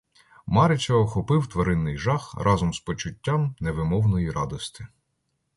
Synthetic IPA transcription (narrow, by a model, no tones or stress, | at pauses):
mɑɾɪt͡ʃʲɔɔxɔpɪwt̪ʋɐɾɪnːɪjʒɑxrʔɑzɔmspɔt͡ʃʊtʲːamneʋɪmɔwnɔjiɾɑd̪ɔst̪ɪ̥